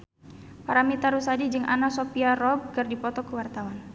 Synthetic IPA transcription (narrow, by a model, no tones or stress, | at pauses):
paɾamit̪aɾusadid͡ʒɨŋʔa̰nasopiaɾɔb̚kɨrdipɔt̪ɔkəwart̪awan